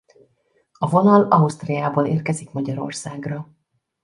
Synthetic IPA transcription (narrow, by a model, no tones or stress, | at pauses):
ɒvo̞nɒlɒust̪rɛjaːboːleːrkɛzikmɒɟɒɾo̞̰rsaːɡrɒ